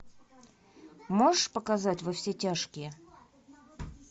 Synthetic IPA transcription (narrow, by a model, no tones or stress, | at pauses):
moʐəʂpəkɐzatʲvɐfsʲetʲaʂkʲɪjə